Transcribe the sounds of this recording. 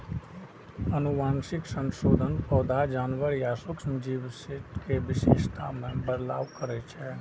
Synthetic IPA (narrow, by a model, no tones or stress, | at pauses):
ənʊʋãːnʃɪksə̃nʃoːd̪ʱənpɔːd̪ʱad͡ʒaːnʋəɾjasʊksmd͡ʒiːʋsɪʈkeʋɪʃeːʃt̪ʰamẽbəd̪la̰ːʋkəɾet͡ʃʰɛː